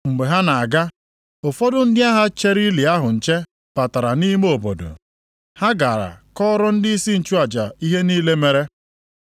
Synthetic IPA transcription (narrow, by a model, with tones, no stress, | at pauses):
ŋ͡m̩˨ɡ͡be˨ɦa˦na˨a˨ɡa˦ | o˨fɔ˦dʊ˦n̩˦dɪ˦a˦ɦa˦t͡ʃe˦ɾi˦li˨a˦ɦʊ˨n̩˨t͡ʃe˦ | pa˨ta˨ɾa˨niː˦me˦o˨bo̰˨do̰˨ | ha˦ɡa˨ɾa̰˨kɔ˦ɾɔ˦n̩˦dɪ˦i˦si˦n̩˨t͡ʃu˦a˨d͡ʒa˨i˦ɦe˦niː˦le˦me˦ɾe˦